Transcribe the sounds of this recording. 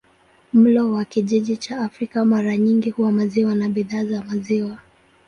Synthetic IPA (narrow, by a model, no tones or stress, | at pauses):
m̩lɔwakiʄiʄit͡ʃaːfɾikamaɾaɲiŋɡihuwamaziwanaɓiðaːzamaziwa